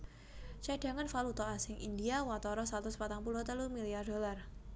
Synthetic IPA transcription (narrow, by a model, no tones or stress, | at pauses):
t͡ʃaɖ̥a̤ŋanfalut̪ɔasɪŋʔindiawat̪ɔɾɔsat̪uspat̪aŋpuluht̪əluhmiliardolar